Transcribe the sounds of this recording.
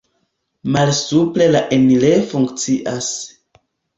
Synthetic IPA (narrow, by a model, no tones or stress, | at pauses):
malsuple̞laʔenilefuŋkt͡siʔas